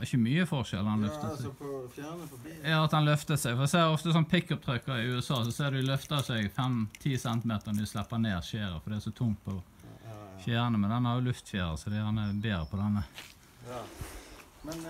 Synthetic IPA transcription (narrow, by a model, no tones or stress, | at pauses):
ɪçːəmyːəfɔʁʃɛlːəhɑnlœft̪əs | jɑːɑt̪hɑnlœft̪əsɛɡfɔɾɛseːdɔft̪əsɔnpʰɪkːɔp̚t̪ʰœkːəɾɪʉːɛsɑːsɔseːʁd̪ɛʊlœft̪əɑsɛɡfɛmt̪ʰiːsɛnt̪ɪmeːt̪əʁnɪslɛpːəɑneːʁʃeːɾə̰fɔd̪ɛæsɔt̪ʰʊŋt̪̚pʰɔ | fjæːʁnəmɛnd̪ɛnæʁjʊlʉft̪fjæːʁə̰sɔd̪ɛɑnɛbeːɾəpʰɔd̪ɛnːə